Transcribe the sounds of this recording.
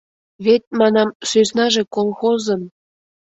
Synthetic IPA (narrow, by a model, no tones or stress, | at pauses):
βet̪̚mɑnɑmsøsnɑʒe̽kolˠxozə̆m